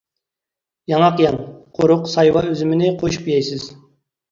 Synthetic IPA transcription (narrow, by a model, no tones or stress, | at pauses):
jɑŋɑqjɑŋqʰoɾʊqsɑjwɑøzɪmɪnɪqʰoʃu̥pjɛjsɪz̥